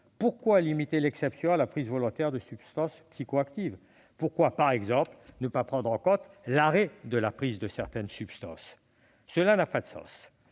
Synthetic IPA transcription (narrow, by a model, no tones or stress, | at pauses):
puʁkwalimit̪elɛksɛpsjɔ̃alapχizvɔlɔ̃t̪ɛʁd̪əsybst̪ɑ̃spsikoakt̪iv | puʁkwapaʁɛɡzɑ̃plnəpapχɑ̃d̪ʁɑ̃kɔ̃t̪laʁɛd̪əlapχizd̪əsɛʁt̪ɛnsybst̪ɑ̃sː | əlanapad̪əsɑ̰̃s